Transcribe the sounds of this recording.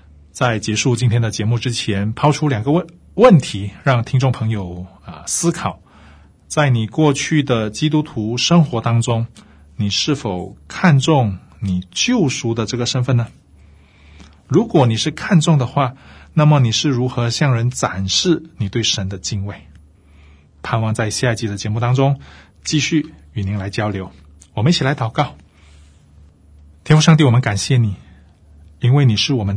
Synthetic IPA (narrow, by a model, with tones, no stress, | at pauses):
t͡sa˥˩ɪt͡ɕjɛ˧˥ʂu˥˩t͡ɕi˥nt̪ʰjɛ˥nd̪ə˨t͡ɕjɛ˧˥mu˥˩ʈ͡ʂɻ̩˥t͡ɕʰjɛ˧˥npʰɑ˥ʊʈ͡ʂʰu˥ljɑ˨˩ŋɡə˦ | wə˥˩nt̪ʰi˧˥ɻɑ˥˩ŋt̪ʰi˥ŋʈ͡ʂʊ˥˩ŋpʰɤ˧˥ŋjo˨˩ʊə˧sɹ̩˥kʰɑ˨˩ʊ | t͡sa˥˩ɪni˨˩kwɔ˥˧t͡ɕʰy˥˩d̪ə˩t͡ɕi˥t̪u˥t̪ʰu˧˥ʂɤ˥ŋxwɔ˧˥t̪ɑ˥ŋʈ͡ʂʊ˥ŋ | ni˨˩ʂɻ̩˥˩fo˨˩ʊkʰa˥˧nʈ͡ʂʊ˥˩ŋ | ni˨˩t͡ɕjo˥˩ʊʂu˧˥d̪ə˨ʈ͡ʂɤ˥˩ɡə˩ʂə˥nfə˥˩nə˩ | ɻu˧˥kwɔ˨˩˦ni˨˩ʂɻ̩˥˧kʰa˥˧nt͡sʊ˥˩ŋd̪ə˩xwa˥˩na˥˩mə˨˩ni˨˩ʂɻ̩˥˩ɻu˧˥xɤ˧˥ɕjɑ˥˩ŋɻə˧˥nt͡sa˨˩nʂɻ̩˥˩ni˨˩t̪we˥˩ɪʂə˧˦˥nd̪ə˧t͡ɕi˥˧ŋwe˥˩ɪ | pʰa˥˧nwɑ˥˧ŋt͡sa˥˧ɪɕi˥˧a˥˩ɪt͡ɕi˧˥d̪ə˨t͡ɕjɛ˧˥mu˥˩t̪ɑ˥ŋʈ͡ʂʊ˥ŋ | t͡ɕi˥˧ɕy˥˩ | y˨˩ni˧˥ŋla˧˥ɪt͡ɕjɑ˥ʊljo˧˥ʊ | wɔ˨˩mə˦ni˥˩t͡ɕʰi˨˩la˧˥ɪt̪ɑ˨˩ʊkɑ˥˩ʊ | t̪ʰjɛ˥nfu˥ʂɑ˥˧ŋ̬i˥˩wɔ˨˩mə˦nka˨˩nɕjɛ˥˩ni˨˩˦ | i˥nwe˥˩ɪni˨˩ʂɻ̩˥˩wɔ˨˩mə˦n